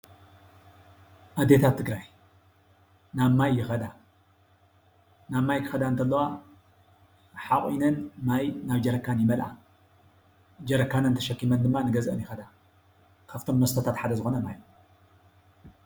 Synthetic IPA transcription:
ʔad̪ːe̞t̪ʰatt̪ʰːɨɡɾaj | naβmajːɪxɐd̪a | naβmajkʰɨ̥xɐd̪aɨnt̪ʰɐlːɐwa | ħaχʼinɐnmajnaβd͡ʒɐɾɐkʰːanjɪmɐlʔa̰ | d͡ʒɐɾɐkːanɐnt̪ʰɐʃɐkːimɐnd̪ɨmːanɨɡɐzʔɨnjɪxɐd̪a | kʰaft̪ʰo̞mnɐst̪ʰɐt̪ʰat̪ħad̪ɐzɨxo̞nɐmajo

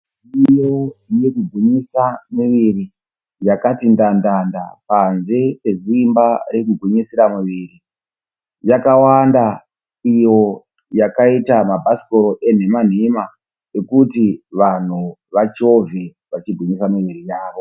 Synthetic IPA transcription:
ijoje̞kuɡʱwiɲisamiʋiri | jakatindandanda̰panze̞pe̞zimbaɾekuɡʱiɲisiɾamuʋiːri | jakawanda | ijo̞ | jakaitamabʱasi̥ko̞ɾo̞ʔe̞n̤e̞man̤ima | e̞kutiʋan̤uʋat͡ʃo̞ve | ʋat͡ʃiɡʱiɲisamiʋiɾijaːʋo̞

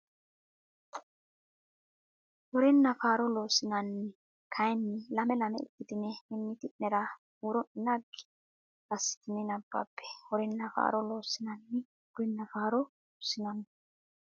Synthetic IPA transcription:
wɔɾɛnːɐfaːɾɔloːsɪnɐnːɪ | kʰɐjnːɪlɐmɛlɐmɛ̰ɪ̰t̪ːɪt̪ɪnɛɪnːɪt̪ɪʔɛɾɐ | uɾɔʔɪnɐɡ | ɐsːɪ̥t̪ɪnɪnɐbːɐ̰pːɛ̥hɔɾɛnːɐfa̰ːɾɔlo̞ːsːɪnɐnːɪ | ɡɾɪnːɐfaːɾɔ | osɪnɐnː

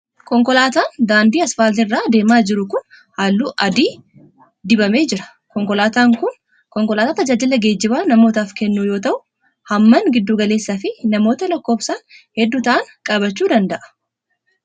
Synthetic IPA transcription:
kɔŋkɔlaːt̪aːnd̪aːnd̪iːɐsfaːlt̪ɪrːaːd̪e̞ːmaːd͡ʒɪɾʊkʊn | haːlːuːʔɐd̪iː | d̪ɪbɐme̞ːd͡ʒɪɾɐ̥ | kɔŋkɔlaːt̪aːŋkʊn | kɔŋkɔlaːt̪aːt̪ɐd͡ʒaːd͡ʒɪlɐɡe̞ːd͡ʒːɪbaːnɐmo̞ːt̪aːfkɛnːuːjoːt̪ɐʔʊ | hɐmːɐŋɡɪd̪ːuːɡɐle̞ːsːaːfɪnɐmo̞ːt̪ɐlɐkːo̞ːfsaːnhɛd̪ːuːt̪ɐʔɐnkʼɐbɐt͡ʃːuːd̪ɐnd̪ɐʔɐ̥

